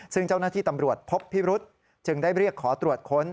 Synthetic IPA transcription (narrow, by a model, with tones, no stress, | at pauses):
sɯ˥˩ŋt͡ɕa˥˩wnaː˥˩t̪ʰiː˥˩t̪a˧mɾu˨˩ət̪̚pʰo˦˥pʰːiː˥˩ɾu˦˥t̪̚ | t͡ɕɯ˨˩ŋdaː˥˩jɾi˥˩əkʰːɔː˩˦t̪ɾu˨˩ət̪̚kʰo˦˥n